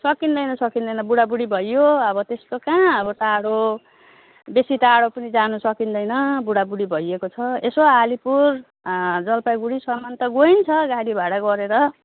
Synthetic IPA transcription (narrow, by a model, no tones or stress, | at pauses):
sʌkind̪ʌjnʌsʌkind̪ʌjnʌbuɽabuɽibʱʌjːoʌbʌt̪est̪okãʌbʌt̪aɽo | besit̪aɽopʌnid͡zanusʌkind̪ʌjnʌbuɽabuɽibʱʌjekot͡sʰʌesoalipur | d͡zʌlpaɡuɽisʌmant̪ʌɡojnt͡sʰʌɡaɽibaɽʌɡʌɾeɾʌ